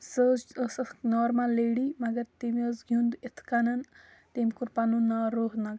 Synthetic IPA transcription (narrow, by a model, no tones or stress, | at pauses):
səd͡ʒsnɔːɾmalːeɽimɐɡɐɾt̪eməsɡʱund̪it̪ʰkanɐn | t̪emʲkuɾpanunaːɾoːɦnɐɡ